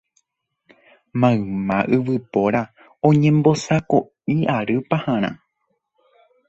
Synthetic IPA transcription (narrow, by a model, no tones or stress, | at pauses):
mãɰmãʔɨʋɨpo̞ɾa | õ̞ɲẽ̞mbo̞sako | iʔaɾɨpahãɾ̃ã̰